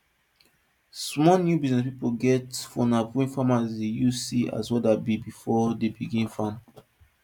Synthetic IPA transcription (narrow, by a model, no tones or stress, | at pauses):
smɔnjubiznɛspipoɡɛtfɔnapwĩnfãmasejusia̰swɛdabibifɔdebiɡĩnfãm